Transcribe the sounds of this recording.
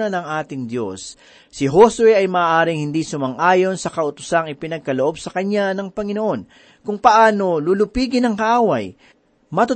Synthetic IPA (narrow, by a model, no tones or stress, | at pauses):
ɐnɐŋʔaːt̪ɪŋd̪jo̞sː | ɪɦo̞swɛʔɐjmɐʔːʔaːɾɪŋhɪnd̪isʊmɐŋʔaːjo̞nsɐkɐʔʊt̪ʊ̥saŋɪpɪnɐɡ̚kɐloʔo̞bsɐkɐɲanɐŋpɐŋɪno̞ʔo̞n | kʊŋpɐʔaːno̞lulʊpiːɡɪnɐŋkɐʔaːwɐj | mɐt̪ʊ